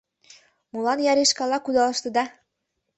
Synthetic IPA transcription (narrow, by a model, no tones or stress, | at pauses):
mulɑnjɑɾeʃkɑlɑkud̪ɑlɤ̆ʃt̪ɤ̆d̪ɑ